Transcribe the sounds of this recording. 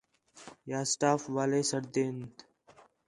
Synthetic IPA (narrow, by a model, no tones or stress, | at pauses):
jaːsʈaːfʋaːleːsəɾd̪eːnt̪